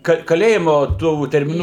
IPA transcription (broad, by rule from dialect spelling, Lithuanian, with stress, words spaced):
ˈkɐ kɐˈlʲeːjɪmʊ ˈtuː tʲɛrʲmʲɪˈnuː